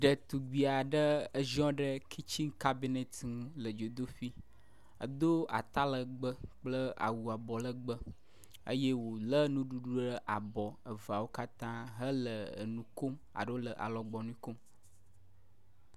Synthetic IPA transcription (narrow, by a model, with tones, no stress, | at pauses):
ɖə˨t̪u˨ɡ͡bi˨a˨ɖə˦ə˦ʒɔ̃˦ɖə˦kʰi˦t͡ɕi˦ŋka˦bi˦ne˦t̪ŋũ˦lə˨d͡ʒo˨d̪o˦ɸi˦ | ə̰˨d̪o˦a̰˨t̪a˦lə˨ɡ͡bə˦k͡plə˦a̰˨wu˨a˨bɔ˨lə˦ɡ͡bə˦ | ə̰˦je˦wo˨lə˦nũ˦ɖu˦ɖu˦ɖə˦ʔa˨bɔ˨ə˨va˨wo˦ka˦t̪ã˦ɦə˦lə̰˨nũ˨ko˦ma̰˨ɖə˦wo˦lə˨ʔa̰˨lɔ˨ɡ͡bɔ˨nũ˦ko˦m